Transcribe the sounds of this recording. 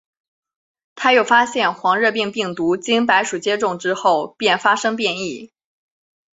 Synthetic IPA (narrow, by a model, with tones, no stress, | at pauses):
t̪ʰa˥jo˨˩ʊfa˥ɕjɛ˥˩nxwɑ˧˥ŋɻɤ˥˧p̬i˥˧ŋpi˥˩ŋt̪u˧˥t͡ɕi˥npa˧˥ɪʂu˨˩t͡ɕjɛ˥ʈ͡ʂʊ˥˩ŋʈ͡ʂɻ̩˥xo˥˩ʊpjɛ˥˩nfa˥ʂɤ˥ŋpjɛ˥˧ni˥˩